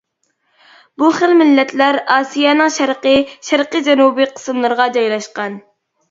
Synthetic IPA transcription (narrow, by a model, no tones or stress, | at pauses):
buχəlmɪlːɛt̪ʰlæɾɑːsijɛnɨŋʃæɾqəʃæɾqəd͡ʒɛnubɨqʰə̥sɨmlˠɨɾʁɑd͡ʒɑjlˠɑʃqɑn